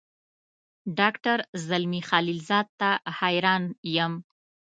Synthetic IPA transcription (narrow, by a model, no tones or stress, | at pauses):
ɖɑkʈaɾzalmixalilzɑd̪̚t̪ahajɾɑnjəm